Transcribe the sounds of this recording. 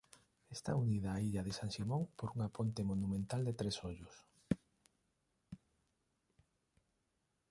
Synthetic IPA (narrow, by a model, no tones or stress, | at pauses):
est̪a̰unið̞ɐːiʎɐðesaŋʃimõŋpoɾuŋapont̪emonumẽnt̪ald̪et̪ɾesoʎʊs